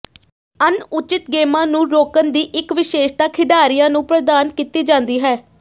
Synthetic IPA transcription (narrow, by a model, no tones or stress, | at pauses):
ənʊt͡ʃɪt̪ɡeːmãːnũːɾoːkənd̪iːʔɪkʋɪʃeːʃt̪aːkʰɪɖaːɾijãːnũːpɾəd̪aːnkiːt̪iːd͡ʒãːnd̪iːɦɛː